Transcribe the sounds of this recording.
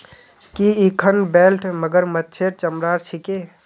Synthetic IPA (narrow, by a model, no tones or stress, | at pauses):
kiikʰənbelʈməɡəɾmət̪̚ːt͡ʃʰeɾt͡ʃəmɾaɾt͡ʃʰike